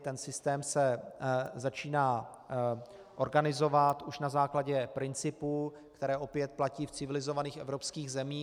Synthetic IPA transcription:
t̪ɛnsɪst̪ɛːmsɛ | zat͡ʃiːnaː | ʔo̞ɾɡanɪzo̞vat̪uʃnazaːklaɟɛpɾɪnt͡sɪpuː | kt̪ɛɾɛːʔo̞pjɛt̪̚placiːft͡sɪvɪlɪzo̞vaniːxʔɛ̰vɾo̞pskiːɣzɛmiː

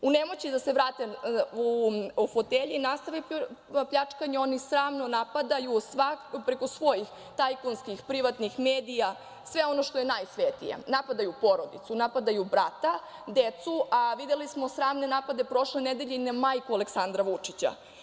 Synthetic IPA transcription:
unemo̞t͡ɕid̪ase̞ʋɾaːt̪euufot̪eʎinast̪aʋe | pʎat͡ʂkaɲeo̞nisɾaːmno̞napad̪ajusʋapɾe̞kosʋo̞jix | t̪ajkonskixpɾiʋat̪nixmeːd̪ija | sʋe̞o̞no̞ʃt̪oje̞najsʋet̪ijḛnapad̪ajupo̞ɾo̞d̪it̪sunapad̪ajubɾat̪a | d̪et̪suʔaʋid̪elismo̞sɾaːmne̞napad̪e̞pɾo̞ʃle̞ned̪eʎeinamajkualeksand̪ɾaʋut͡ʂit͡ɕa̰

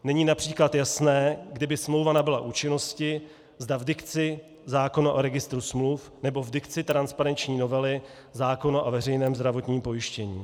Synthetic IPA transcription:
nɛɲiːnapr̥iːklat̪jasnɛːɡdɪbɪsmlowvanabɪlaʔuːt͡ʃɪno̞scɪ | zdavdɪkt͡sɪ | zaːko̞naʔoɾɛɡɪst̪ɾusmluf | nɛbo̞vdɪkt͡sɪt̪ɾanspaɾɛnt͡ʃɲiːno̞vɛlɪ | zaːko̞naʔovɛrɛjnɛːmzd̪ɾavo̞t̪ɲiːmpo̞jɪʃcɛɲḭː

